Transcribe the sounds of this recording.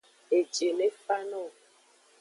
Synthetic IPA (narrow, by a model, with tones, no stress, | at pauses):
e˨d͡ʒe˨ne˦fa˦nɔ˦˨